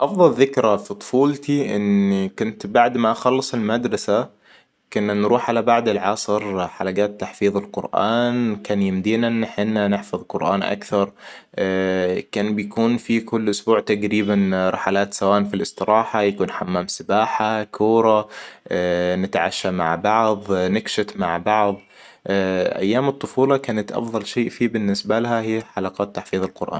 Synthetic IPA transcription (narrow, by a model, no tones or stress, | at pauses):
ʔɑfðˤɑlðɪkɾafit̪ˤfuːlt̪iʔɪ̰nikʊnt̪baʕd̪maʔaxɑlːɨsˤɪlmad̪ɾˤɑsa | kʊnːanɾuːħʕalabaʕd̪ɪlʕɑsˤɨɾħalaɡaːt̪ːaħfiːðˤɪlqʊ̰ɾʔa̰ːnkaːnjɪmd̪iːnaʔnːħɪnːanɪħfɑðˤqʊɾʔaːnʔa̰kθɑɾˤ | kaːnbjakuːnfikʊlːʔʊsbuːʕt̪aɡɾiːbanɾˤɑħalaːt̪sawaːʔnfilʔɪsˤt̪ɨɾˤʔɑːħajakuːnħamːaːmsɪbaːħakʰuːɾˤɑ | nɪt̪ʕa̰ʃːama̰ʕbɑʕðˤnɪɡʃɪfmaʕbɑʕðˤ | ʔa̰jːaːmɨt̪ˤːʊfuːlɑkaːnat̪ʔɑ̰fðˤɑlʃeːʔfiːbɪnːɪsbalaɦahiːħalɑqɑːt̪ːaħfiːðˤɪlqʊɾʔa̰ːn